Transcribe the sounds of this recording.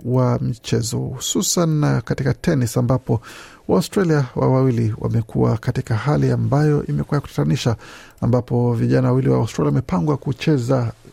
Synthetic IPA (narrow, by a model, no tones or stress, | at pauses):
wamit͡ʃɛzɔ̰hususanːakatikatɛnisambapɔ | waustɾaliawʔa̰wawiliwʔa̰mɛkuwa̰katikahaliambajɔʔimɛkuajaku̥tḁtaniʃa | ambapɔviʄanawawiliwa̰ustɾaliawamɛpaŋɡwakut͡ʃɛza